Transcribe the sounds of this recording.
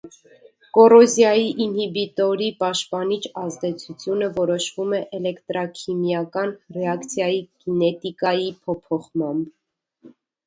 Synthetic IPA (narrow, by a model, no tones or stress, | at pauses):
kɔrɔzjɑjiʔinhibit̪ɔɾipɑʃt̪pɑnit͡ʃʰɑzd̪ɛt͡sʰut͡sʰjunəvɔɾɔʃvumɛʔɛlɛkt̪ɾɑkʰimjɑkɑnrɛɑkt͡sʰjɑjikinɛt̪ikɑjipʰɔpʰɔχmɑmb